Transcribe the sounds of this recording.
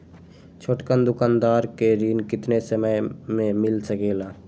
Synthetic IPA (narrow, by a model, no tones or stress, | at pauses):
t͡ʃʰoːʈkənd̪ʊkaːnd̪aːɾkeɾiːnkɪt̪nesəməjmẽmɪlsəkeːlaː